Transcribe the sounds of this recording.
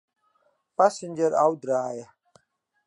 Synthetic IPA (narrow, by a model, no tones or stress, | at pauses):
pasɪ̃nd͡ʒəɾa̰wdɾaːja